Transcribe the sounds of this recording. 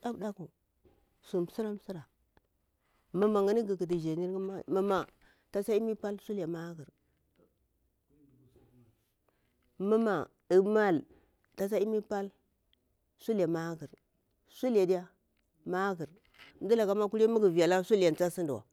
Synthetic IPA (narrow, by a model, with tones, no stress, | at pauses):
a˦bda˦ku˨ | su˨m˨si˦ɾa˦m˦si˦ɾa˨ | mə˦ma˨ŋə˦ni˦ɡi˨ki˨t̬i˨d͡ʒe˨ni˦ɾɡa˦ma˦ma˨ | ta˨sa˦i˦mi˦pa˦lsu˦la˨ma˦ɡi˨ɾ | mə˦ma˨ | i˨ma˦˨l | ta˨sa˦i˦mi˦pa˦l | su˦la˨ma˦ɡi˨ɾ | su˦la˨di˦ja˦ | ma˦ɡi˨ɾ | n˦di˦la˨ka˦ma˦ku˦ɾa˦mu˦ɡi˨vi˨ja˨la˦su˦lja˨n˨t͡sa˦si˦ndi˨wa̰˨